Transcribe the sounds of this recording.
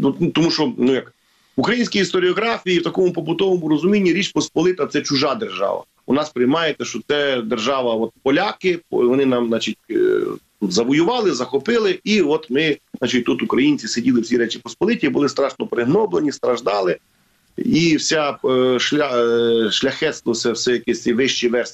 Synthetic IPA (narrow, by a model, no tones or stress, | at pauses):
ut̪ɔmuʃɔnujɐk | ʊkɾɐjinʲsʲkʲijist̪ɔɾʲiɔɦɾɑfʲijiwt̪ɐkɔmʊpɔpʊt̪ɔʋɔmʊɾɔzʊmʲinʲːiɾʲit͡ʃpɔspɔlˠɪt̪ɐt̪sɛt͡ʃʊʒɑd̪erʒɑ̰ʋɐ̰ | ɔ̰nɑspɾɪjmɑjet̪ːɛʃt͡ʃɔt̪sɛd̪erʒɑʋɐɔt̪pɔlʲakɪʋɔnɪnɑmnɑt͡ʃitʲt̪ut̪zɐʋɔjʊʋɑlˠɪzɐxɔpɪlˠɪiɔt̪mɪzɑt͡ʃit̚ʲt̪ut̪ʊkɾɐjinʲt͡sʲisedʲilˠɪwsʲiɾɛt͡ʃɪpɔspɔlˠɪtʲibʊlˠɪst̪ɾɑʃnɔpɾɪɦnɔblˠenʲist̪ɾɐʒd̪ɑlˠɪ | iwsʲaʃlʲaʃlʲɐxɛt̪st̪ʋɔsɛwsɛjɐkɛsʲiʋɪʃt͡ʃiʋɛs